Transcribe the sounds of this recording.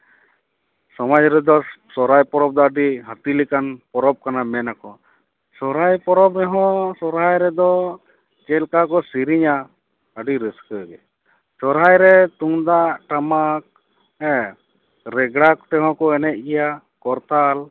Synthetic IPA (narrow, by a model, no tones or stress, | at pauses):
sɔmad͡ʒɾɛd̪ɔsɔɾajpɔɾɔb̚d̪ɔəɖiɦət̪ilikanpɔɾɔb̚kanamɛnakɔ | sɔɾajpɔɾɔbɾɛɦɔ̃sɔɾɦajɾɛd̪ɔ | d͡ʒɛlkakɔsiɾiɲa | əɖiɾiskəɡɛ̰ | sɔɾɦajɾɛt̪uŋd̪aʔʈamak̚ | ɛ̃ | ɾɛɡɽakt̪ɛɦɔ̃kɔɛnɛt̪̚ˀɡɛja | kɔɾt̪al